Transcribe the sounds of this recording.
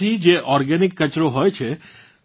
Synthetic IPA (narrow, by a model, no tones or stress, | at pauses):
id͡ʒeʔɔɾɡɛnɪkːət͡ʃɾoɦojt͡ʃʰe